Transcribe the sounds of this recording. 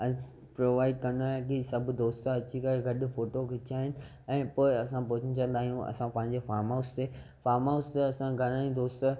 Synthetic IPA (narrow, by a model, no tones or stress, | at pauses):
ɐ | pɾoːʋaːɪɖkɐ̃ndaːɦẽkisɐbʱd̪oːst̪aɐt͡ɕikɐeɡɐɗʊ̆foːʈokɪt͡ɕʰaːɦɪnɪ̆ | ɛ̃ːpoːɪɐsãpʊt͡ɕʰə̃̆t͡ɕɐ̃nd̪aːɦijũʔɐ̰sãpɐ̃ɦɪ̃ɲ̆d͡ʑefaːɾmaːst̪eː | faːɾmaːst̪eɐsãɡʱɐɾaĩd̪oːst̪a